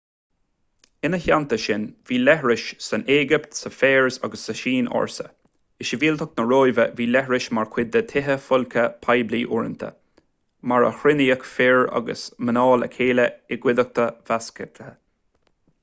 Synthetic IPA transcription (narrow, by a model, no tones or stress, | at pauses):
ɪnəçant̪əʃɪnviːlɛɦɹɪʃsəneːɡɪpt̪səfeːɹza̰ɡəsːəʃiːnɔ̰ːɹsə̰ | ɪʃəviːlt̪ʰʊk̚nəɹoːjvəviːlɛɦɹɪʃmaɹkʰwɪd̪ːət̪ʰɪɦəfʊlkʰəpʰajbliːʔʊɹənt̪ʰə̰ | maɹə̰xɾɪniəkfɪɹa̰ɡə̰smənɔːlə̰kʰeːləɪɡwɪd̪ək̚t̪ʰəv̥askət̪ʰə